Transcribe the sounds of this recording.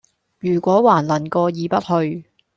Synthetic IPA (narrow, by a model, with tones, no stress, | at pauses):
jyː˨˩kʷɔː˨˥waː˨˩nlɐ˨˩nkɔː˧jiː˨˧pɐ˥t̚hɵ˧ɥ